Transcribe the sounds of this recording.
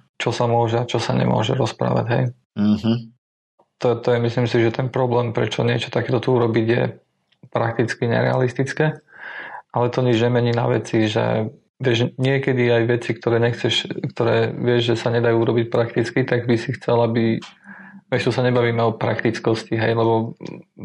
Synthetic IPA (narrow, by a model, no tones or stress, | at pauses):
t͡ʃɔsamʊɔʒɛat͡ʃɔsaɲɛ̰mʊɔ̰ʒɛ̰ɾɔspɾa̰ːʋa̰ɟɦɛ̰j̩ | ɦ̩ | t̪ɔt̪ɔjɛmislimsiʒɛt̪ɛnpɾɔblɛːmpɾɛt͡ʃɔ̰ɲɪɛt͡ʃɔ̥t̪akɛːt̪ɔt̪uuɾɔbiɟjɛ̰ | pɾak̚t̪it͡skiɲɛ̰ɾɛ̰a̰list̪it͡skɛː | ʔalɛt̪ɔɲid͡ʒɲɛmɛɲiːna̰ʋɛ̰t͡siʒɛ̰ | ʋɪɛʒɲɪɛkɛd̪iajʋɛt͡sikt̪ɔɾɛːɲɛxt͡sɛʃkt̪ɔɾɛ̰ːʋɪɛʒʒɛsaɲɛd̪ajuːuɾɔbic̚pɾakt̪it͡skit̪aɡbisixt͡sɛlabi | ʋɛʃt̪ɔsaɲɛbaʋiːmɛɔpɾa̰kt̪it͡skɔsciɦɛjlɛbɔ